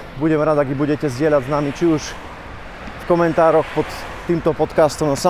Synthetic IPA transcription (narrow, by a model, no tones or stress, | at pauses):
buɟɛmɾad̪aɡibuɟɛcɛzɟɪɛlaɟznamit͡ʃiuʃ | fkɔmɛnt̪aːɾɔxpɔt̪ː | iːmt̪ɔpɔt̪kast̪ɔmasa